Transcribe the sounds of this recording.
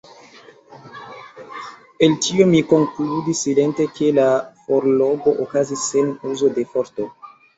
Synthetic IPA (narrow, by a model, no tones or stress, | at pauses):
eltiomiko̞ŋkludisːile̞nte̞kʰe̞lafoɾloɡo̞ʔokazisːenuzo̞de̞foɾto